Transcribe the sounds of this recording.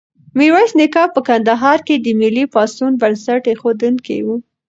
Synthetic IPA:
miɾwɑsnɪkɑpəkand̪aɦɑɾked̪əmɪlipɑsunbansaʈexod̪unkḛwu

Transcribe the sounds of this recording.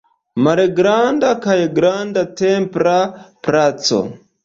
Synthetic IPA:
maɾeɡɾandakajɡɾandatempɾapɾat͡so̰

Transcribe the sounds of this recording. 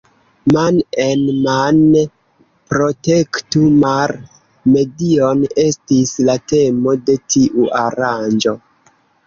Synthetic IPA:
manenman | pɾo̞te̞ktumaɾ | me̞dio̞ne̞stislate̞mo̞de̞tʰiʔuʔaɾand͡ʒo̞

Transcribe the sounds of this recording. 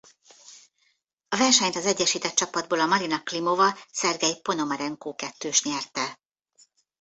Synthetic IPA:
ɒvɛrʃɛɲt̪ɒzɛɟːɛʃiːt̪ɛt̪̚t͡ʃɒpɒd̪̚boːlɒmɒɾinɒklimovɒsɛrɡɛjpo̞no̞mɒɾɛŋkoːkɛt̪ːøːʃɲɛrt̪ɛ

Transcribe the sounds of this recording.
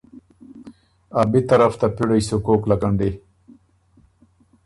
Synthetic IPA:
abit̪ɐɾɐft̪apiɽajsukoːklɐkɐɳɖi

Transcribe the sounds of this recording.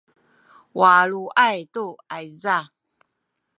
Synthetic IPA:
wʔaluʔajtoajza

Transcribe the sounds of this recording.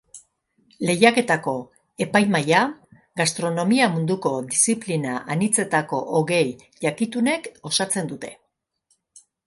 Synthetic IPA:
le̞jake̞t̪ako̞ | e̞pajmaja | ɡast̪ɾo̞no̞miamund̪uko̞d̪isiplinaʔanit͡se̞t̪ako̞ʔoɣe̞j | ʎakit̪une̞ko̞sat͡se̞nd̪ut̪e̞

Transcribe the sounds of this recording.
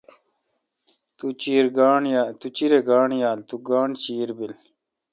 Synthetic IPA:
t̪ut͡ɕiːɾɡaːɳjat̪ut͡ɕiɾeɡaːɳjaːlt̪uɡaːɳt͡ɕiːɾbil

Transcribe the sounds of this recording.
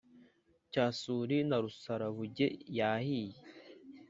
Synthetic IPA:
caːsuːɾinaɾusaɾaβuɟejaːhije

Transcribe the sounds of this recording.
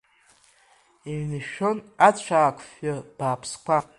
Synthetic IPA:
iɥnɨʃᶣonat͡ɕʷʰaːkʷʰfab̥aːpʰskʷʰa

